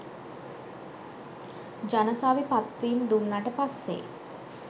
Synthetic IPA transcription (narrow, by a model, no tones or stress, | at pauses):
d͡ʒanəsaːʋipat̪ʋiːmd̪unːaʈəpasːḛ